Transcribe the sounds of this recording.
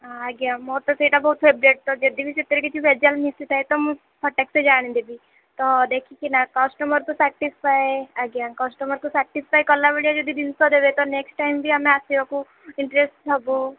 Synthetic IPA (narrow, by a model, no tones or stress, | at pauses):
aaɡjamɔɾt̪ɔseiʈabɔɦut̪febɾeʈ̚t̪ɔd͡ʒɐd̪ibʱisit̪ːəɾikit͡ʃʰiʋed͡ʒalmisit̪ʰaet̪ɔmũ | pʰɔʈːeksed͡ʒaːɽ̃ĩd̪ebʱi | t̪ɔd̪ekʰikinakɔsʈɔməɾk̪usɛʈispajaɡjakɔsʈɔməɾk̪usɛʈispajkɔɾlːaʋeɭijad͡ʒɔd̪id̪insɔd̪ebet̪ɔneksʈajmbʱiamẽasiɔku | ɪɳʈɾesʈɔbu